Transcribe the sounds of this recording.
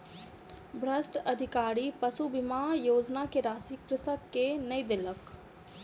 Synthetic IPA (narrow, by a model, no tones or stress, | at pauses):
bɾəsʈəd̪ʱɪkaːɾiːpəsubɪmaːjoːd͡ʒnaːkeɾaːsiːkɾɪsəenəĩːd̪ɪlək